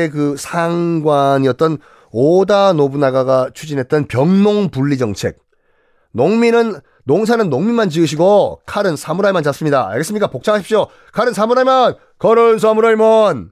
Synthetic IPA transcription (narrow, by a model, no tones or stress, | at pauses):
ek̬ɯsʰaŋɡwaɲiʌt̚t͈ʌn | odanobunaɡaɡat͡ɕʰud͡ʑinɦe̞t̚t͈ʌnpjʌŋnoŋpuɭːid͡ʑʌŋt͡ɕʰe̞̰k̚ | noŋminɯnː | oŋsʰanɯnːoŋmimant͡ɕiɯɕ̬ʰiɡokʰaɾɯnsʰamuɾaɭmand͡ʑas͈ɯmɲidaa̰ɭɡes͈ɯmɲik͈apok̚t͡ɕ͈ʰaŋaɕʰipɕ͈o | kʰaɾɯnsʰamuɾaɭman | kʌɾʌns̬ʰamuɾaɭmʌn